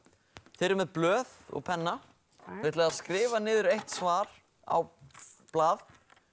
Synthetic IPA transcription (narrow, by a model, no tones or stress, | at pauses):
θɪɾɪɾmɛðplœːðɔ̰ɣpʰɛnːa | veht̪lɛɣaðskɾɪːvanɪːðʏɾʏɾejht̪svaːɾ̥ | a̰wplaːð